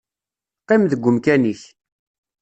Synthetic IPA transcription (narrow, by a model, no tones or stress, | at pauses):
qːɪmðəɡʷːʊmkæniç